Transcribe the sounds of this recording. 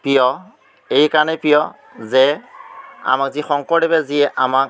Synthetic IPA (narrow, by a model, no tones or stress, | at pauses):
pijɔ | ejkaɹnɛpijɔ | zɛ | a̰makzixɔŋkɔɾebɛziɛʔamak̚